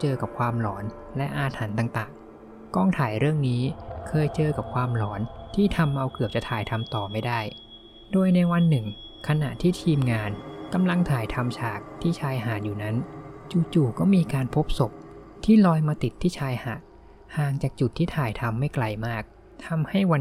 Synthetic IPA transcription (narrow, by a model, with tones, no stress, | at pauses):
t͡ɕɤː˧ka˨˩p̚kʰwaː˧mlɔː˩˦n | lɛ˦˥ʔaː˧t̪ʰa˩˦nt̪a˨˩ŋt̪aː˨˩ŋ | kɔː˥˩ŋt̪ʰaː˨˩˦jɾɯ˥˩əŋniː˦˥kʰɤː˧jt͡ɕɤː˧ka˨˩p̚kʰwaː˧mlɔː˩˦˥nt̪ʰiː˥˩t̪ʰa˧mʔa˧wkɯ˨˩əp̚t͡ɕa˨˩t̪ʰaː˨˩jt̪ʰa˧mt̪ɔː˨˩ma˥˩jdaː˥˩j | doː˧jna˧jwa˧nːɯ˨˩ŋ | kʰa˧na̰˨˩ʔt̪ʰiː˥˩t̪ʰiː˧mŋaː˧nka˧mla˧ŋt̪ʰaː˨˩˦jt̪ʰa˧mt͡ɕʰaː˨˩k̚t̪ʰiː˥˩t͡ɕʰaː˧jɦaː˩˦njuː˨˩na˦˥nt͡ɕuː˨˩t͡ɕuː˨˩kɔː˥˩miː˧kaː˧npʰo˦˥p̚so˨˩p̚ | t̪ʰiː˥˩lɔː˧jmaː˧t̪i˨˩t̪ʰːiː˥˩t͡ɕʰaː˧jhaː˨˩˦n̚ | haː˨˩ŋt͡ɕaː˨˩k̚t͡ɕu˨˩t̪ʰːiː˥˩t̪ʰaː˨˩jt̪ʰa˧mːa˥˩jkla˧jmaː˥˩k̚ | t̪ʰa˧mha˥˩jwa˧